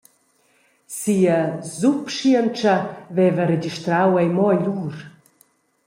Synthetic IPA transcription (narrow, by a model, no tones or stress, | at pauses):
siazupʃiənt͡ʃɐvɛvəɾed͡ʒiʃt̪ɾawɛjmɔaʎuːɾ